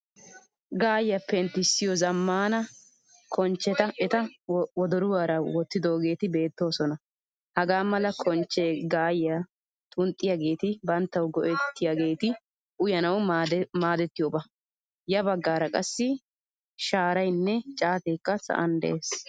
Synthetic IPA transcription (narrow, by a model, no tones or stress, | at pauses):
ɡaːjːɐpːɛnt̪ːɪsːɪjɔzɐmːaːnɐ | kʰɔnt͡ʃːɛt̪ɐʔɛt̪ɐwɔd̪ɔɾʊwaːɾɐwɔt̪ːɪd̪o̞ːɡe̞ːt̪ɪbe̞ːt̪ːo̞ːsɔnɐ | hɐɡaːmɐlɐkʰɔnt͡ʃːeːɡaːjːɐ | t̪ʼʊnt̪ʼːɪjaɡe̞ːt̪ɪbɐnt̪ːɐwɡɔʔɛt̪ːɪjaɡe̞ːt̪ɪ | ʔʊjɐnɐwmaːd̪ɛt̪ːɪjoːbɐ | jɐbɐɡːaːɾɐkʼɐsːɪ | ʃaːɾɐjnːɛt͡ʃʼaːt̪eːkːɐsɐ̰ʔɐ̰nd̪ɛ̰ʔeːs